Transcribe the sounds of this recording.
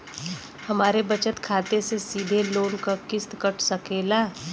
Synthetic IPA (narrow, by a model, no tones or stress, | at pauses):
hɐmaːɾebət͡ʃət̪kʰaːt̪esesiːd̪ʱeloːnkakɪst̪kəʈʰsəkeːlaː